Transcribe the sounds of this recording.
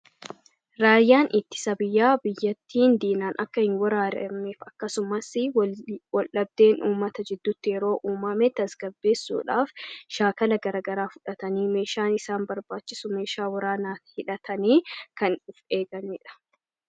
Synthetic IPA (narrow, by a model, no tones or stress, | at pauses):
ɾaːjːaːnʔɪt̪ːɪ̥sɐbɪjːaːbɪjːɐt̪ːiːnd̪iːnaːnʔɐkːɐhɪnwɐɾaːɾɛ̰meːfɐkːɐsʊmɐsɪwɔlʔɐb̚d̪e̞ːnʔuːmːɐt̪ɐd͡ʒɪd̪ːuːt̪ːɪjɛɾo̞ːʔuːmɐmɛt̪ːɐsɡɐbːe̞ːsːṵːᶑaːfʃaːkɐlɐɡɐɾaːɡɐɾaːfʊᶑɐt̪ɐniːme̞ːʃaːnɪsaːnbɐɾbaːt͡ʃːɪsʊme̞ːʃaːwɐɾaːnaːhɪᶑɐt̪ʰɐniːkɐnʊfe̞ːɡɐniːᶑɐ̥